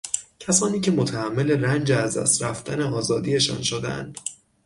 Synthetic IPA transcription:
cʰæsɒːniːcʰe̞mot̪ʰæhæmːe̞le̞rænd͡ʒeæzd̪æ̰st̪ɾæft̪ʰæneɒːzɒːd̪iːje̞ʃɒ̰ːnʃod̪eæ̰nd̪̥

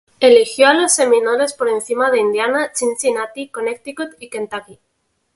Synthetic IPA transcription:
e̞lixjo̞alo̞sːe̞mĩnoɾe̞spo̞ɾe̞nθimaðe̞ind̪janat͡ʃinsinat̪ikonek̚t̪ikut̪ikent̪aki

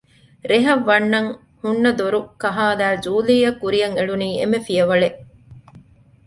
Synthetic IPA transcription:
ɾeɦɐʋːɐnːɐŋ | hunːɐd̪oɾukɐɦaːlæːd͡ʒuːliːɐkːuɾijɐŋeɭuniːḛmefijɐʋɐɭeʔ

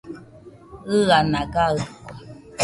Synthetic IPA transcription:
ɯanaɡaɯkɔ

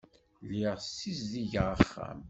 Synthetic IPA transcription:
liʁsizðiʝʁəχːæ̰m

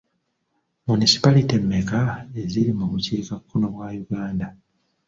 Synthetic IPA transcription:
munisi̥palite̞mːekaeziɾimuβuciːkakʰːuno̞βwaːjuɡaːnda

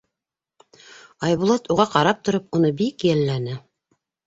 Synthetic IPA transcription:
ɑjβulˠɑt̪uʁɑqɑɾɑp̚t̪ŏɾɤpunɤbikjælːænɘ

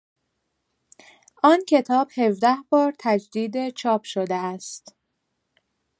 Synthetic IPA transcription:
ʔɒːncʰe̞t̪ʰɒːb̥he̞vd̪æhbɒːɾt̪ʰæd͡ʒd̪iːd̪et͡ʃʰɒːpʰʃod̪eæst̪

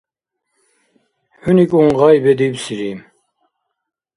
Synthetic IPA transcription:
hunikʼuɴʁajbɛd̪ibsiɾiːm

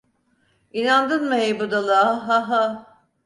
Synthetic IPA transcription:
inand̪ɯnmɯɦejbud̪alˠɯaɦaɦa

